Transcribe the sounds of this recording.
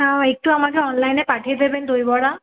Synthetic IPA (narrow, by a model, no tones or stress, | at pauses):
awek̚tʊamakɛɔnlajnɛpaʈʰiɛd̪ebɛnd̪ojbɔɽa